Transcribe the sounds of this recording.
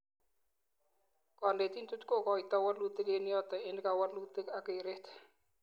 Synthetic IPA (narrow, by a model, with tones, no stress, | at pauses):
kɔ˨nde˨ti˦ntu˦tko˦˨kɔ˨i˨t̪a˦wa˦lu˦t̪ɪ˦ke˦njɔ˦t̪ɛ˨ɪ˦nka˨wa˦lu˦t̪ɪ˦ka˨ke˨ɾe˦t̪